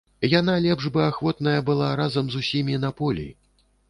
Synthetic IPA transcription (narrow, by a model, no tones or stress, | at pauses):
janalʲɛpʐbɨaxvɔt̪nɐjɐbɨlˠaɾazɐmzusʲimʲinɐpɔlʲḭ